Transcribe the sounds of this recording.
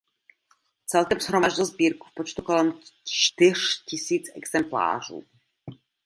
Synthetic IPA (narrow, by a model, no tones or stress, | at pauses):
t͡sɛlkɛmzɦɾomaʒt̪ozbiːɾku̥fpot͡ʃt̪ukolɛmt͡ʃt̪ɪr̝̥cɪsiːt͡sɛ̰ɡz̥ɛmpla̰ːr̝ṵː